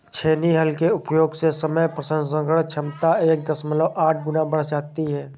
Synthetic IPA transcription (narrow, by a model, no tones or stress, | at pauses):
t͡ʃʰeːniɦəlkeʊpjoːɡsesəməjpɾəsə̃nd̪sə̃ŋɡəɽt͡ʃʰəmt̪aeːk̚d̪əsmələʔaːʈ̚ʰɡʊnabəɽ̤d͡ʒaːk̚t̪iɦɛː